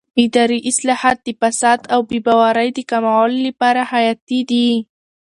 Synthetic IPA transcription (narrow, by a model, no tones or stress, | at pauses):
ɪd̪ɑɾiʔɪslɑhat̪̚d̪əfasad̪awbebawaɾajd̪əkamawallapɑɾahajat̪id̪i